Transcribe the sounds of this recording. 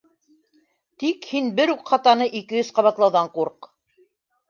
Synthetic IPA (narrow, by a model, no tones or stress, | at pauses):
t̪ikhinbɘɾuqχɑt̪ɑnɤʔikɘ̆jɵzqɑβɑt̪lˠɑwðɑɴquɾq